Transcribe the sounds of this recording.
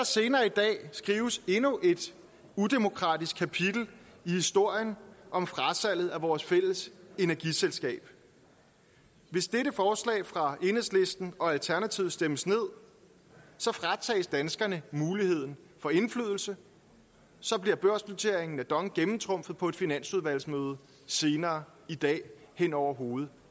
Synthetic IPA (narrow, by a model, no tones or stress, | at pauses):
ɑse̝ːnɐːid̥ɛ̰ːsɡ̥ʁiːʊəse̝nuʔe̝d̥ | ud̥emo̝kʰʁɑ̰̈ːdisɡ̥̚kʰːæpʰid̥l̩ihisd̥o̝ɐ̰jənʔɒ̽mfʁɑ̈sæl̰ð̞̩ˠæʋɒːsfel̰əse̝næɐɡ̥iselsɡ̥ɛ̰ːb̥ | ʋe̝sd̥eɾəfɒːslɛ̰ːfʁɑ̈e̝nəsle̝sd̥n̩ɒ̽ælt͡sʰæɐnæt͡sʰiʊsd̥eməsne̝ð̞̰ˠ | sɒ̽fʁɑ̈t͡sʰɛ̰ːsd̥ænsɡ̥ɐnəmuːlihe̝ð̞̰ˠn̩ | fɒ̽e̝nflyð̞ˠl̩sə | sɒ̽b̥liɐb̥ɶɐ̰sb̥lut͡sʰe̝ɐ̰e̝ŋn̩æd̥ɒ̽ŋɡ̥emm̩t͡sʰʁɔ̽m̰fð̩ˠpʰɒ̽e̝d̥finæn̰suðˠʋæl̰smøːð̞̩ˠə | se̝ːnɐː | id̥ɛ̰ː | hen̰ɒʊ̰ɐɦo̝ːð̞̩ˠ